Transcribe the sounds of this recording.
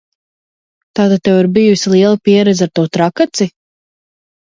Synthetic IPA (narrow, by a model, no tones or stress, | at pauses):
t̪aːt̪at̪ɛwiɾbijusilˠiɛlˠapiɛɾɛd̪zʲaɾt̪uɔt̪ɾakat̪si